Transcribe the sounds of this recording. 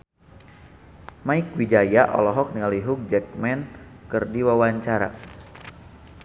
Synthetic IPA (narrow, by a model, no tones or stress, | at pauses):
maikwid͡ʒajaʔɔ̰lɔɦɔk̚niŋaliɦuk̚d͡ʒɛk̚mɛnkɨrdiwawaɲt͡ʃaɾa̰